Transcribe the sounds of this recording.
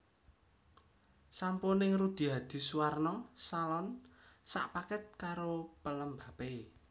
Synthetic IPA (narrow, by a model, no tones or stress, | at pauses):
samponɪŋrud̪̥i̤ɦad̪̥i̤suwarnɔsalɔnsa̰ʔpakət̪̚kaɾopələmbape